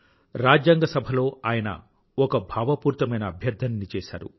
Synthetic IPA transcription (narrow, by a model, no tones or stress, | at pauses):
ɾaːd͡ʒjɐŋɡɐsɐbʱɐlo̞ːaːjɐnɐ̰ | ɔkɐbʱaːʋɐpuːɾt̪ɐmɐjnɐːbʱjɐɾd̪ʱɐnːit͡ʃɛːʃa̰ːɾṵ